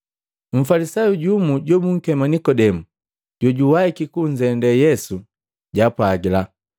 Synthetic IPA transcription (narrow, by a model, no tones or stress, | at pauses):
m̩falisajuɟumuɟɔmuŋ̩kɛmanikɔdɛmu | ɟ̥ɔɟuwaikikuɲd͡ʒɛndɛjɛsu | ɟapwaɡila